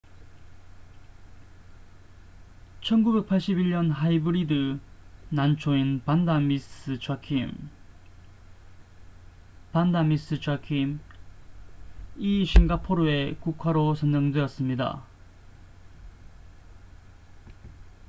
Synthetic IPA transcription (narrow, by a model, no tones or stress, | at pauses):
t͡ɕʰʌnɡube̞k̚pʰaɭɕ͈ibiɭɲʌnɦaibɯɾidɯ | nant͡ɕʰoinpandamis͈ɯt͡ɕʰakʰim | pandamis͈ɯt͡ɕʰwakʰim | iɕʰinɡapʰoɾoe̞kukʰwaɾosʰʌnd͡ʑʌŋdeʌs͈ɯmɲida̰